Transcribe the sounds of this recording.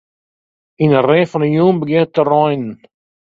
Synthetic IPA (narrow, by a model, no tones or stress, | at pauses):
inərẽːfɔnəjuːnbəɡɪnətːərɔjnn